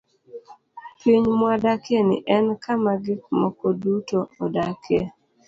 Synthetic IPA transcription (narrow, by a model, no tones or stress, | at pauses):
piɲmwadakɛnɪ̰ʔɛnkʰamaɡik̚mɔkɔdutoodakʰɛ